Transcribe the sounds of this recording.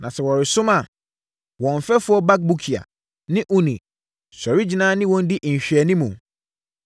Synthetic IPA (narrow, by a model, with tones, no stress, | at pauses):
nã˨sɛ˨wɔ˨ɾɪ˨sʊ̃˦mã˨ | wɔ̃˨ɱ˨fɛ˦fʊ˦ɔ˦ba˦k̚bu˦kʰi˨a̰˨ | nɪ̃˦ʔʊ˦nĩ˨ | sɔ˨ɾi˦d͡ʑi˨nãː˦nɪ̃˦wɔ̃˨n̩˦dɪ˦ʔɲ̩˨ɕᶣɥɛ˨nĩ˦mũ˨